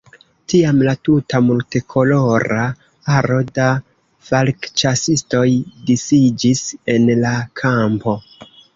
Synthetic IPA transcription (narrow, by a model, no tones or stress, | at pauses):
tiamlatutʰamulte̞kʰo̞lo̞ɾa | aɾo̞da | falkt͡ʃasisto̞jdisid͡ʒise̞nlakʰampo̞